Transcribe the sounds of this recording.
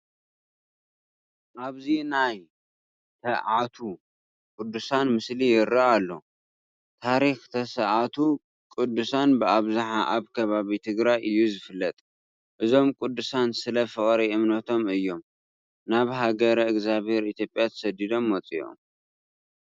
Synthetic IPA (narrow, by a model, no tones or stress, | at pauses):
ʔaβzinaj | t̪ʰɐʕat̪ʰu | kʼʊd̪ːusanmɨslijɪɾaʔalːo̞̰ | t̪ʰaɾixt̪ʰɐsɐʔat̪ʰu | kʼɨd̪ːusanbɨaβzaħaʔaβkʰɐβaβit̪ʰɨɡɾajʔɨjːuzɨfɨlːɐt̪ʼ | ʔɨzo̞mkʼʊd̪ːusansɨlɐfɨχʼɾiʔɨmnɐt̪ʰomɨjːo̞m | naβɦaɡɐɾɐɨɡzaβhe̞ɾit̪ʰjopʼjat̪ʰɐ̥sɐd̪id̪o̞mːɐt͡sʼḭo̰m